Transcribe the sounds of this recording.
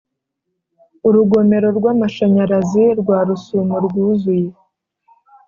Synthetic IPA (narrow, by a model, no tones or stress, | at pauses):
uɾuɡo̞me̞ɾo̞ɾɡwaːmaʃaɲaɾaziɾɡwaːɾusumoɾɡuːzuje